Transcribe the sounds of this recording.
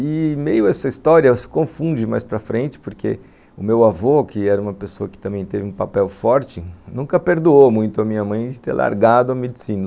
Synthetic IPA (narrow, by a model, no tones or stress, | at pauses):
ɪmejʊɛsɐist̪ɔɾiɐsɪ̥kõfũd͡ʒɪma̰jspɾɐfɾẽnt͡ʃɪ̥poɾkʰḛ | ʊmewavokɪɛɾɐũmɐpesoɐkɪ̥t̪ɐ̃mbẽj̃t̪evɪũpapɛwfɔɾt͡ʃɪnũkɐpeɾd̪uomũj̃t̪ʊɐmĩɲɐmɐ̃j̃d͡ʒɪt̪ḛɾlʔa̰ɾɡad̪ʊɐmed͡ʒɪsĩnɐ